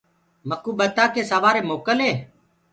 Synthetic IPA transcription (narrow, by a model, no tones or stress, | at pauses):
məkuːɓət̪aːkeːsaʋaːɾeːmoːkəlɦeː